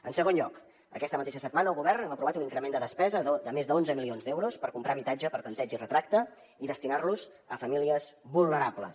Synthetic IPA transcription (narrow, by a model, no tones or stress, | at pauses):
ənsəɣ̞onʎɔk | ə̰kɛst̪əmət̪eʃəsət̪̚manəlˠɣuβɛrnɛməpɾuβat̪uniŋkɾəmend̪əðəspɛzəd̪əmezðəonzəmilionzd̪ɛwɾuspəɾkumpɾaβit̪ad͡ʒəpəɾt̪ənt̪ɛd͡ʒirət̪ɾak̚t̪ə | iðəst̪inarluz | əfəmiliəzβulˠnəɾaplə̰s